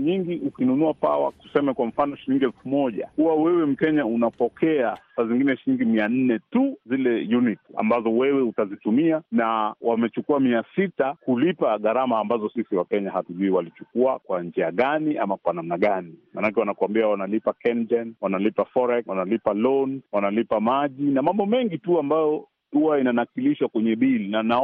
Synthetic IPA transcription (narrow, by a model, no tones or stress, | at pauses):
ɲiŋɡiʔukinunuapa̰wa̰ku̥sɛmɛkwam̩fanɔʃiliŋɡiɛlfumɔʄa̰kuwawɛwɛm̩kɛɲaunapɔkʰɛasaziŋɡinɛʃiliŋɡimian̩nɛtuzilɛjunita̰mbazɔwɛwɛutazitumianawamɛt͡ʃukuamiasitakulipaɠaɾamaːmbazɔsisiwakɛɲaɦatuʄuiwalit͡ʃukuakwand͡ʒiaɠaniʔa̰makwanam̩naɠanima̰ːnakɛwanakuwambiawanalipakɛnd͡ʒɛnwanalipafɔɾɛkwanalipalɔnwanalipamaʄinamambɔmɛŋɡituambajɔ | uwainanakiliʃwakwɛɲɛɓilinana